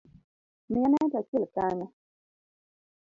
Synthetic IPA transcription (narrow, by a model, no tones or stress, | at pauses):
mijanatakilkaɲa